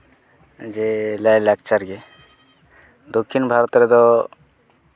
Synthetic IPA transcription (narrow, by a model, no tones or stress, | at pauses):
d͡ʒelajlak̚t͡ʃaɾɡe | d̪okʰːinbʱaɾɔt̪ɾet̪ɔ